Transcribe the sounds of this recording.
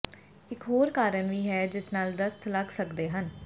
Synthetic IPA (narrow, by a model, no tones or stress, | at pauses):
ɪkɦoːɾkaːɾənʋiːɦɛːd͡ʒɪsnaːld̪əst̪ʰləɡsəkd̪eːɦən